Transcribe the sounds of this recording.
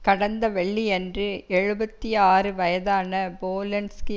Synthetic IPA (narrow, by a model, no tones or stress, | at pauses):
kɐɽɐnd̪ɐʋɛɭːiɛndrɯɛɻɯbɐt̪ːiaːrɯʋɐjɐðaːnɐboːlɐnskɯ